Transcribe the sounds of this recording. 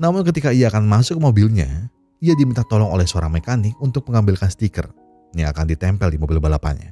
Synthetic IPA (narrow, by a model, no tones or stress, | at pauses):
namʊnkət̪ikaiaːkanmasʊk̚mobilɲa̰ | iadimint̪at̪ɔlɔŋo̰lɛhsəoɾaŋmekanɪk̚unt̪ʊk̚məŋambɪlkansət̪ikə̰r | jaŋa̰kandit̪ɛmpɛldimobɪlbalapa̰ɲa̰